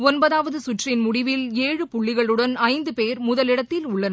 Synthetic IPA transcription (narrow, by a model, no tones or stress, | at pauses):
ɔnbɐðaːʋɐðɯsʊʈrɪnmʊɽɪʋɪleːɻɯpʊɭːɪɣɐɭɯɽɐnɐɪnd̪ɯpeːɾmʊðɐlɪɽɐt̪ːɪlʊɭːɐn